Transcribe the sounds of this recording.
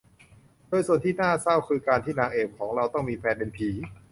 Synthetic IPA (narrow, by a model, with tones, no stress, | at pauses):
doː˧jsu˨˩ənt̪ʰiː˥˩naː˥˩sa˥˩wkʰɯː˧kaː˧nt̪ʰiː˥˩naː˧ŋʔeː˨˩p̚kʰɔː˩˦ŋɾa˧wt̪ɔ˥˩ŋmiː˧pʰɛː˧nbe˧npʰiː˩˦